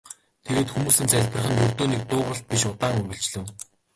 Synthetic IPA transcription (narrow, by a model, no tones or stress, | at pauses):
t̪ʰeɣeːt̪xumuːsɘ̆nt͡sæɮʲpə̆rχɘ̆njɵr̥t̪oːniːk̚t̪ʊːʁə̆ɬt̪̚piʃʊt̪aːŋɵɣʲɘ̆ɬt͡ɕɮɘ̆w